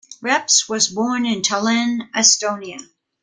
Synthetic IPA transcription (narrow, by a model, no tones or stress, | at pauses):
ɹɛpswʌzbɔɹnɨ̃ntʰəlɪ̃nɨstõʊ̃niɨ